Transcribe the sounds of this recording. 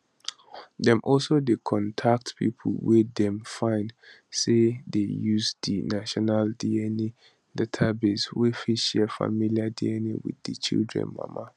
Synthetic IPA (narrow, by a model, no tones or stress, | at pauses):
dɛ̃mʔɔlsodekʰɔ̃ntʰak̚tpʰḭpʰl̩wɛdɛ̃mfãɪ̃nd | sedejuzdinaʃɔnaldiɛni | dɛtʰabeswefiʃɛfa̰miliadiɛnḭwḭðit͡ʃḭldɹɛ̰̃nma̰ma